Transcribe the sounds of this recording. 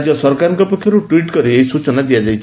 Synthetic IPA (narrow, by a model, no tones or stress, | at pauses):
d͡ʒjɔsɔɾkaɾɔŋkɔpɔkʰːjɔɾuʈwiʈkɔɾieisut͡ʃɔnad̪iad͡ʒajt͡ʃʰ